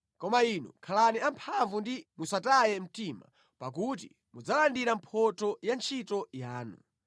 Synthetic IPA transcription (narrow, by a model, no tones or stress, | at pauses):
kɔmainṵkʰalaniampʰaɱvundimusatajɛm̩tima̰ | pak̬ut̬ḭ | mud͡zalandiɾampʰɔtɔjant͡ʃʰitɔjaːnṵ